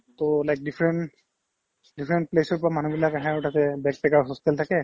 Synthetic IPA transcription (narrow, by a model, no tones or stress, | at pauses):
t̪olajk̚dipʰɹɛn | dipʰɹɛnʈ̚plesɔɹpɔɹamanubilakaɦɛ̃ʊʈʰat̪ɛbɛk̚pɛkaɹsɔst̪ɛltʰakɛ